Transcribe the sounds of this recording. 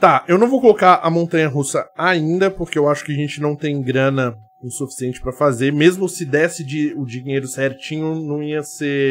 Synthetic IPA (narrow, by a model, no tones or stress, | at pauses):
t̪aewnɐ̃w̃vowkolokaɾʔɐmõnt̪ɐ̃ɲɐɦusɐaĩnd̪ɐpoɾkeewaʃʊ̥kɪaʒẽnt͡ʃɪnɐ̃w̃t̪ẽj̃ɡɾɐ̃nɐ | ĩsufi̥siẽnt͡ʃɪ̥pɾɐfazemezmʊsɪd̪ɛsɪd͡ʒɪʊd͡ʒiĩɲejɾʊsɛɾt͡ʃĩɲʊnɐ̃w̃iɐse